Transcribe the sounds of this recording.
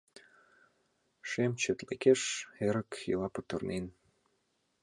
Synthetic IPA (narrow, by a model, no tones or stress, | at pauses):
ʃemt͡ɕøt̪lekeʃeɾəkjilɑput̪ɤ̆rnen